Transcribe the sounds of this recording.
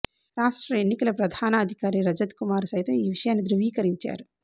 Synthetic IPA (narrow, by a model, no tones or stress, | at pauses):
ɾaːʂʈɾɐenːikɐlɐpɾɐd̪ʱaːnɐːd̪ʱikaːɾiɾɐd͡ʒɐd̪kumaːɾsɐjt̪ɐmiːʋiʂɐjaːnːid̪ɾuʋiːkɐɾiɲt͡ʃa̰ːɾu